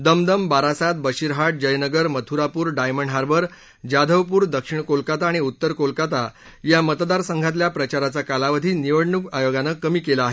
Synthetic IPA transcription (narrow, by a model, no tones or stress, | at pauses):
d̪əmd̪əmbaɾasat̪̚bəɕiɾɦaʈ̚d͡ʑəjnəɡəɾmət̪ʰuɾapuːɾɖajməɳɖɦaɾbəɾ | d͡ʑad̪ʱəʋpuːɾd̪əkʂiɳkolkat̪aːɽ̃iut̪ːəɾkolkat̪a | jamət̪d̪aɾsəŋɡʱãt̪ljapɾət͡ɕaɾat͡sakalaʋəd̪ʱiːniʋəɽɳukajoɡanəkəmiːkelaaɦe